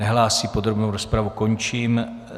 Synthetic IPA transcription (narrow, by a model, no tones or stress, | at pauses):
ɛɦlaːsiːpo̞d̪ɾobnowɾo̞spɾavuko̞ɲt͡ʃiːm